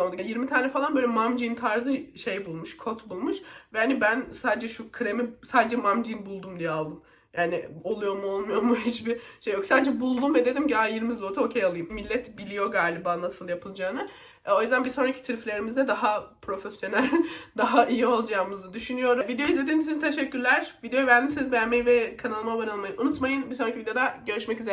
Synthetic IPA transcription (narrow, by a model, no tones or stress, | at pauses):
ond̪ajiɾmit̪ʰaːnɛfalˠanbøːlʲɛmamd͡ʒint̪ʰaɾzɯʃe̞jbulˠmuʃkʰo̞t̪bulˠmuʃvɛhanibænsaːd̪ed͡ʒɛʃukʰɯɾemisaːd̪ed͡ʒɛmamd͡ʒinbulˠd̪umd̪ijɛalˠd̪ɯm | jaːnɪo̞lˠujo̞muo̞lˠmujo̞ɾmuɦit͡ʃbiʃejːjo̞ksaːd̪ed͡ʒɛbulˠd̪umvɛd̪e̞d̪imcajiɾmizb̪ot̪ʰuocʰejalˠɯjɯmmilʲːɛt̪bilʲijo̞ɡaːlʲibaːnasɯlˠjapʰɯlˠd͡ʒaːnɯ | ɛo̞juzd̪ænbisonɾacʰit̪ʰɯɾflʲe̞ɾimizd̪ɛd̪aɦapʰɾo̞fesjo̞nælʲd̪aɦaʔijio̞lˠd͡ʒaːmɯznɯd̪yʃynyjo̞ɾuvid̪ejoizʲe̞d̪inizt͡ʃʰint̪ʰeʃɛcʰːyɾlʲæɾ̥vid̪ejobænʲisizbɛɾmejivɛkʰanalˠɯmabaɾalˠmajɯnunut̪majɯnbiso̞nɾacʰivid̪eod̪aɟø̞ɾyʃmɛcyze